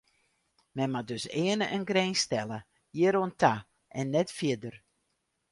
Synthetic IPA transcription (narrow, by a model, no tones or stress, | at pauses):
mɛnmadøsɪːənəʔənɡreːnstɛlə | jɪəɾoəntʰa | ʔɛnːɛtfjɪdər